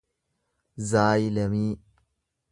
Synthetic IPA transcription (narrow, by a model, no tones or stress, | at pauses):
zaːjilɐmiː